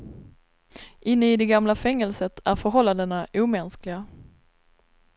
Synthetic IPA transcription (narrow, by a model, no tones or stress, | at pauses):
ʔɪnːəɪd̪ɛɡamlafɛŋːɛlsət̪ʰæɾfœɾɦɔlːand̪ənaʔuːmɛnsklɪɡa